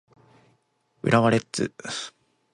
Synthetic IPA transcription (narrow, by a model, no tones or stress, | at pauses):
ɯ̟̰ɾaβaɾet͡sɨ̰